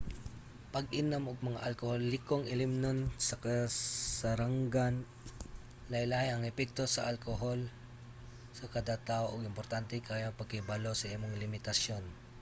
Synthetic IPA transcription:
pɐɡʔɪnɐmʔʊɡ̚mɐŋaʔɐlkoholːɪkoŋɪlɪmnonsɐkɐsɐɾaŋɡan | lɐjlahɪɐŋɛpɛk̚t̪osɐʔalkoɦol | sɐkɐd̪at̪aoʔoɡɪmpoɾt̪ant̪ɛkajapɐɡ̚kɪbalosɐʔimoŋlɪmɪt̪ɐsjo̞n

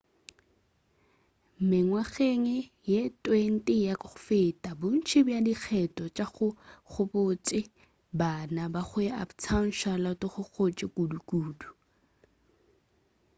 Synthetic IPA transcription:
m̩mɪŋwaχeŋɛ | jetʼwen̩tʼɪjakʼʊfetʼabʊn̩t͡ʃʰɪbjadik͡xʰɛtʼɔt͡ʃʼaχʊk͡xʰʊpʊt͡ʃʼɪ | banabaχʊa̰pt͡sʰaŋ̩ʃalatʼɔχʊk͡xʰot͡ʃʼɪkʼudukʼuːdu

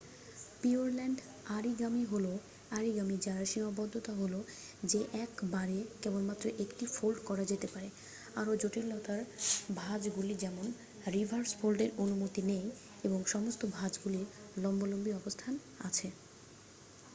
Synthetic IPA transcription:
pioɾlɛɳɖ | aɾiɡamiɦolo | aɾiɡamid͡ʑaɾaʃimabɔd̪ʱːot̪aɦolo | d͡ʑeʔɛkbaɾekɛbonmat̪ːɾoʔekʈifolɖkɔɾad͡ʑet̪epaɾe | aɾod͡ʑoʈillɔt̪aɾbʱad͡ʑɡulid͡ʑɛmon | ɾibʱaɾsfʰolɖeɾonumot̪inej | eboŋʃɔmost̪obʱad͡ʑɡuliɾ | lɔmbolombiɔbost̪ʰan | a̰t͡ɕʰe

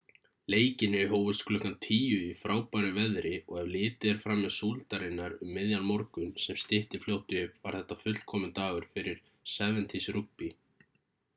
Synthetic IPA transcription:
leːjcɪnːɪɦoːwvʏst̪kʰlʏhkant̪ʰiːjʏifɾaːwpaɾɪvɛðɾʔɪɔɣɛvlɪːt̪ɪɛɾ̥fɾamːɛðsuːlt̪aɾɪnːaɾʏmːɪðjanmɔɾkʏnsɛmst̪ɪht̪ɪfljowht̪ɪhʏpva̰ɾ̥θɛht̪ːafʏt̪l̥kʰɔːmɪnt̪aːɣʏɾ̥fɪɾɪɾ̥ | sɛːvɛnt̪ʰisrukpi

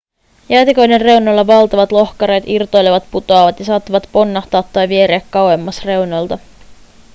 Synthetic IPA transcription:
jæːt̪iko̞jdenre̞wnolːɑʋɑlt̪ɑʋɑt̪lo̞xkɑɾe̞ːt̪irt̪o̞jleʋɑt̪put̪oɑʋɑt̪jɑsɑːt̪ːɑʋɑt̪po̞nːɑht̪ɑːt̪ːɑjʋie̞ɾeækːɑwe̞mːɑsre̞wnolt̪ɑ

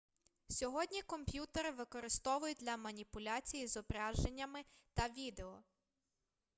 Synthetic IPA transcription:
sʲɔɦɔdʲnʲikɔmpʲjut̪eɾɪʋɪkɔɾɪst̪ɔʋʊjʊd̪ʲlʲɐmɐnʲipʊlʲat͡sʲijizɔbɾɑʒenʲːɐmɪt̪ɐʋʲid̪e̞ɔ

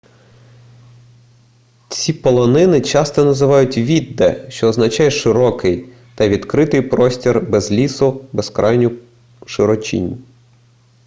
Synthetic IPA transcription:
t͡sʲipɔlˠɔnɪnɪt͡ʃɑst̪ɔnɐzɪʋɑjʊtʲʋʲid̪ːɛ̰ʃt͡ʃɔːznɐt͡ʃɑjɛʃɪɾɔkɪj | t̪ɐʋʲid̪kɾɪt̪ɪjpɾɔsʲtʲirbɛzlʲisʊbɛskɾʔɑjnʲʊ | ʃɪɾɔt͡ʃʲḭnʲ

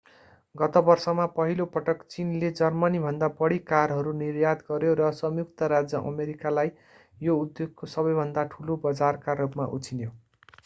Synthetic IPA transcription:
ɡʌt̪ʌbʌrsʌmapʌɦilopʌʈʌkt͡sinled͡zʌrmʌnibʱʌnd̪abʌɽikarɦʌɾunirjad̪ɡʌɾjoɾʌsʌmjukt̪ʌɾad͡zʌʔʌ̰meɾikalaj | joud̪joɡkosʌbʌjbʱʌnd̪aʈʰulobʌd͡zarkaɾupma̰ʔṵt͡sʰinjo

